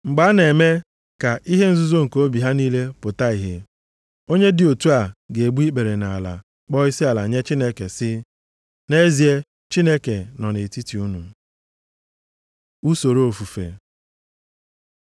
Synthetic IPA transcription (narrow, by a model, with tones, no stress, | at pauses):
ŋ͡m̩˨ɡ͡ba˨˦ne˨me˦ | ka˨ʔi˦ɦe˦n̩˦zʊ˦zo˦ŋ̩˨ko˦bi˨ɦa˦niː˦le˦pʊ˨ta˦i˨ɦe˨ | o˦ɲe˦dɪ˨o˨tu˦a˨ɡe˨ɡ͡bu˦i˦k͡pe˨ɾe˨na˨la̰˨ | k͡pɔ˦i˦si˦a˨la˨ɲe˦t͡ʃi˦ne˦ke˨sɪ˦ | ne˦zi˨e˦ | t͡ʃi˦ne˦ke˨nɔ˨ne˨ti˦ti˨u˦nu˨ | u˦so˨ɾo˦o˨fu˨fḛ˨